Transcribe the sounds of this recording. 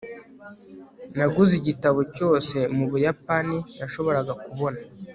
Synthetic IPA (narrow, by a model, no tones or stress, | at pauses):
naɡuziɟitaβoco̞ːse̞muβujapanijaʃo̞βo̞ɾaɡakuβo̞na